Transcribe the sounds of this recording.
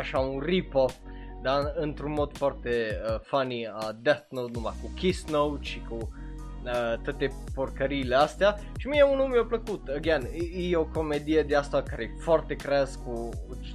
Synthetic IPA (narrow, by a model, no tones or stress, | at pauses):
aʃaunripod̪aɨnt̪ɾunmo̞d̪̥foart̪e̞əfaniad̪at̪now̪numajkukʲisnowt͡ʃiku | ət̪at̪e̞porkəɾiːleast̪ea | ʃimijeunumeopləkut̪əɡeanjejoko̞med̪ije̞d̪east̪akaɾefoart̪e̞kɾeazku